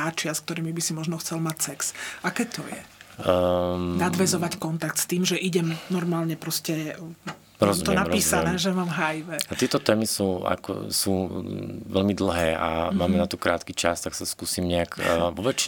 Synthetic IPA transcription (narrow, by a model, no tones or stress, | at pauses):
aːt͡ʃɪask̚t̪ɔɾiːmibisimɔʒnɔxt͡sɛlmacsɛksʔakɛːt̪ɔjɛ̰ | nad̪ʋɛzɔʋackɔnt̪ak̚t̪st̪iːmʒɛʔiɟɛmnɔɾmaːlɲɛpɾɔscɛ | ɾɔzumt̪ɔɛnaɾpiːsanɛːʒɛmaːmɦajʋɛat̪ɪɛt̪ɔt̪ɛːmisuːa̰kɔ̰suːʋɛlmid̪l̩ɦɛːʔa̰maːmɛnat̪ukɾaːt̪kit͡ʃast̪aksaskuːsiːmɲɛakːʋɔʋɛt͡ʃ